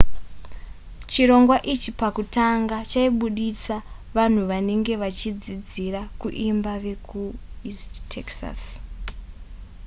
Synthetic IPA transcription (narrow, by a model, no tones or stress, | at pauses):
t͡ʃiɾo̞ŋɡwaʔit͡ʃipakutaŋɡat͡ʃaiɓuɗisa | ʋan̤uʋane̞ŋɡe̞ʋat͡ʃid͡zid͡zirakuʔimbaʋe̞kʰuisttʰeksa̰s